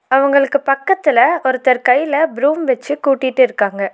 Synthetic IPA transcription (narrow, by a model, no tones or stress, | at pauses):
ɐʋɐŋɡɐɭɯkːɯpɐkːɐt̪ːɪlɐɔɾɯt̪ːɐɾkɐjlɐbɾuːmʋɛt͡ʃːɯkuːʈːɪʈːɯɪɾɯkːaːŋɡɐ